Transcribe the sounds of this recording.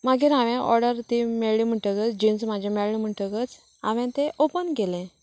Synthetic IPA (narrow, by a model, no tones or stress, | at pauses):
maɡiɾãʋɛ̃ʔɔ̰ɾɖəɾt̪imeɭɭim̤əʈəɡət͡sd͡ʑĩnsmad͡ʑʱameɭɭim̤əʈəkət͡s | a̰ʋɛ̃t̪eʔopənɡelɛ̃